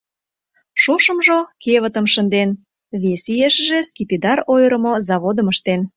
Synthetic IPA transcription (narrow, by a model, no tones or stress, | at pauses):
ʃoʃə̆mʒokeβət̪əmʃə̆nd̪en | βesijeʃəʒeskipid̪ɑrojɾə̆mozɑβod̪ə̆məʃt̪en